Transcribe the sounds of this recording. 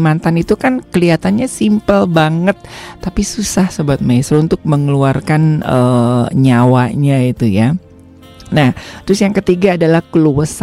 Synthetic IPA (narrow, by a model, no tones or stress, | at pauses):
mant̪anit̪ukankəliat̪anɲasimpəlbaŋət̪ːapisusahsəbuat̪̚majsəɾunt̪ʊk̚məŋəluarkanəɲawaɲait̪uja | naht̪əɾʊsjaŋkət̪iɡaːdalahkəluwəs